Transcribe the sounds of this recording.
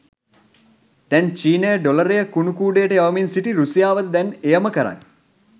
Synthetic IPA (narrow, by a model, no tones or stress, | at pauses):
d̪ɛnt͡ʃiːnəjəɖoləɾejəkunukuːɖejəʈəjaʋəminsiʈiɾusijaːʋəd̪əd̪ɛnejəməkəɾa̰ŋ